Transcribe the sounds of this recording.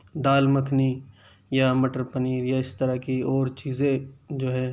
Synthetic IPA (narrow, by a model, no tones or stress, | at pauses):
d̪aːlməkʰni | jamɐʈəɾpəniːɾjaɪst̪əɾakiɔːɾt͡ʃiːzẽd͡ʒoːɦɛː